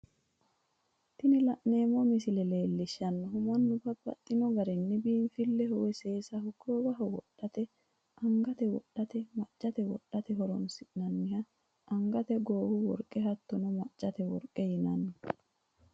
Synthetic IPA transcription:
t̪ɪnɪlɐʔne̞ːmːomɪsɪlɛle̞ːlːɪʃːɐnːɔɦʊmɐnːʊfɐbɐ̰t̪ʼːɪnɔɡɐɾɛnːɪbiːnfɪlːɛhɔwɛseːsɐhʊɡːoːbɐɦɐwɔ̰ɗːɐt̪ɛ | ʔɐŋɡɐt̪ɛwɔɗːɐt̪ɛmɐt͡ʃʼːɐt̪ɛwɔ̰ᶑɐt̪ɛɦɔɾɔnsɪʔnɐnːɪhɐ | ʔɐŋɡɐt̪ɛɡoːwʊwɔ̰ɾkʼːɛɦɐt̪ːʊnɔmɐt͡ʃʼːɐt̪ɛwɔ̰ɾkʼɛhɪnɐnːɔ

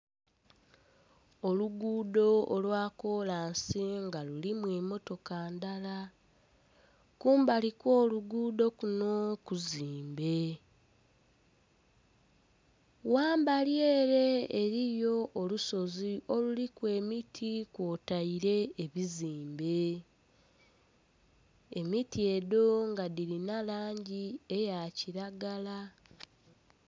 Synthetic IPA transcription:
o̞luɡuːdo̞olwaːko̞laːnsiŋɡalulimwiːmo̞to̞kaːndala | kuːmbalikwo̞ːluɡuːdo̞kuno̞kuziːmbe̞ | waːmbalje̞ːɾe̞ːɾijo̞ʔːluso̞ziʔo̞lulikwe̞ːmitʰikwotaiɾe̞eβiziːmbe̞ | emitie̞do̞ŋɡadiɾinalaːɲɟiejaciɾaɡala

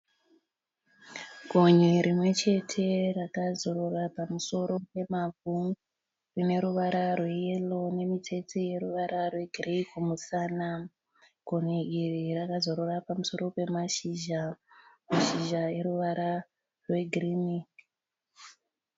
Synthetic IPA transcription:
ɡʱoɲeɾimwe̞t͡ʃe̞tʰe̞rakazo̞rorapamuso̞ɾo̞pe̞mavʱu | rine̞ɾuʋaɾarwe̞je̞lo̞ne̞mitʰe̞t͡sije̞ɾuʋaɾarwe̞ɡʱreikumusana | ɡ̥ʱoneirirakazo̞ɾorapamuso̞ɾo̞pe̞maʃiʒamaʃiʒae̞ɾuʋaɾa | rwe̞ɡʱiriːmi

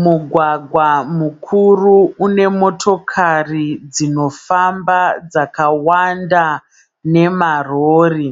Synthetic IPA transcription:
muɡʱwaɡʱwamukʰuruune̞mo̞tʰo̞kʰarid͡zino̞fambad͡zakawanda | ne̞maroːri

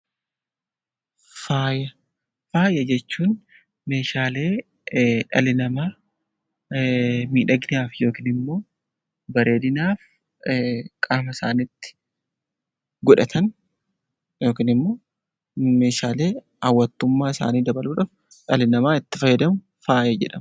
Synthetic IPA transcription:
faːjɐ | faːjʔɐd͡ʒɛt͡ʃːuːn | me̞ːʃaːle̞ː | ᶑɐ̰lɪnɐmaː | miːᶑɐɡnɪaːfjo̞ːkɪːnɪmːo̞ː | bɐɾe̞ːd̪ɪnaːf | kʼaːmɐsaːnɪt̪ːɪ̥ | ɡʊᶑɐt̪ʰɐn | jo̞ːkiːnɪmːo̞ː | me̞ːʃaːle̞ː | ɐwːɐt̪ːʊmːaːɪsa̰ːniːd̪ɐbɐluːᶑaːf | ᶑɐlɪnɐmaːɪt̪ːɪfɐjɐd̪ɐmʊ | faːjɐd͡ʒɛ̰ᶑɐm

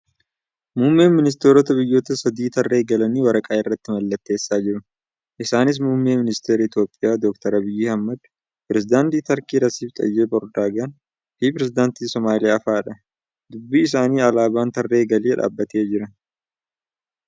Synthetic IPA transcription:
mʊːmːe̞ːnmɪnɪs̬t̪eːɾɔt̪ɐbɪjːo̞ːt̪ɐsɐd̪iːt̪ɐrːe̞ːɡɐlɐniːwɐɾɐkʼaːɪrːɐt̪ːɪmɐlːɐt̪ːe̞ːsːaːd͡ʒɪɾʊ | ʔɪsaːnɪs̬mʊmːeːmɪnɪst̪eːɾɐɪt̪jo̞ːpʼːɪjaːd̪ɔkt̪ɐɾɐbɪjːɪhɐmːɐd̪ | pɾɛzɪd̪aːnt̪iːt̪ɐɾkiːɾɐsiːft̪ʼɐ̰jːeːbɔɾd̪aːɡɐn | hiːpɾɛzɪd̪aːnt̪iːsɔmaːlɪjaːɐfaːᶑɐ | d̪ʊbːiːɪsaːniːɐlaːbaːnt̪ɐrːe̞ːɡɐleːᶑa̰ːbːɐt̪e̞ːd͡ʒɪɾɐ

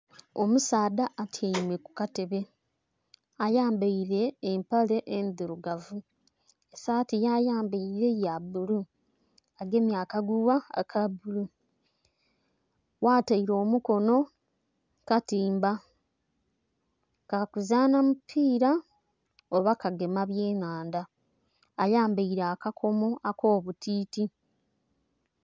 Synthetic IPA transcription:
o̞musaːdaːtʰjaimweku̥kate̞βe | ajaːmbaiɾe̞ːmpale̞ʔendiɾuɡavu | esaːtijajaːmbaiɾe̞jabulu | aɡe̞ːmjaːkaɡuwaa̰kʰabulu | waːtaiɾo̞ːmuko̞no̞ | katiːmba | kakuzaːnamupʰiːɾa | oβakaɡe̞maβje̞ːnaːndaː | jaːmbaiɾaakakʰo̞mo̞ʔako̞ːβutiːti

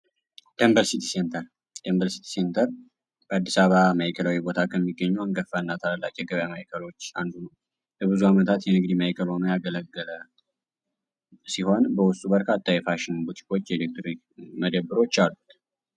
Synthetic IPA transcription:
d̪̥embəɾsit̪ʰisent̪ʰəɾ | d̪̥embəɾsi̥t̪ʰi̥se̞nt̪ʰəɾ | b̥əad̪ːisaβamajkʰəlawibo̞t̪ʰakʰəmːiɡːəɲːuaŋɡəfːanːat̪ʰaləlːa̰t͡ʃːjɛɡəβjamajikʰəlo̞t͡ʃːand̪unəw | bəβɨzuamət̪ʰat̪jɛnɨɡd̪imajkʰəlho̞nojaɡələɡːələ | siho̞nbəwʊst̪ʼubəɾkʰat̪ʼːajɛfaʃɪnbut̪ʰi̥ko̞t͡ʃːjɛelek̚t̪ʰɾoi | məd̪əbɨɾo̞t͡ʃːalːu̥t̪

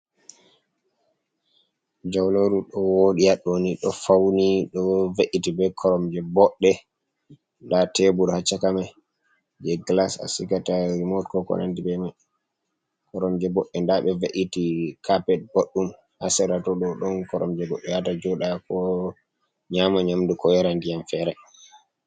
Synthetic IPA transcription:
d͡ʒawloɾuɗɔwoɗiaɗoniɗɔfawniɗɔveʔitibɛkʰɔɾɔmd͡ʒɛbɔɗːɛ | ndatɛbuɾhat͡ʃːakamaj | d͡ʒɛɡlasa̰sikataɾimɔɾtkɔkɔ̰na̰ndibɛmaj | kɔɾɔmd͡ʒɛbɔɗːɛndaɓɛveʔitikʰapɛt̚boɗːum | hasɛɾatɔɗɔɗɔnkɔɾɔ̰md͡ʒɛbɔɗːɛjatad͡ʒɔɗakɔ | ɲamaɲamdukɔjɛɾandijamfɛːɾɛ

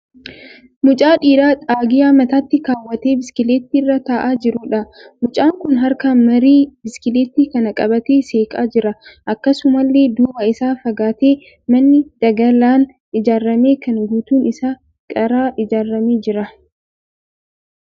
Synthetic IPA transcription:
mʊt͡ʃʼaːᶑiːɾaːt̪ʼaːɡɪjaːmɐt̪aːt̪ːɪkaːwːɐt̪e̞ːbɪskɪleːt̪ːirːɐt̪aːʔaːd͡ʒɪɾʊᶑɐmʊt͡ʃʼaːŋkʊnɦɐɾkaːnmɐɾiːbɪskɪleːt̪ːiːkɐnɐkʼɐbɐt̪e̞ːseːkʼaːd͡ʒɪɾɐʔɐkːɐsʊmɐlːe̞ːd̪uːbɐɪsaːfɐɡaːt̪e̞ː | mɐnːɪd̪̥ɐɡɐlaːn | ɪd͡ʒaːrːɐmeːkɐŋɡuːt̪uːnɪsaː | kʼɐɾaːʔɪd͡ʒaːrːɐmeːd͡ʒɪɾɐ

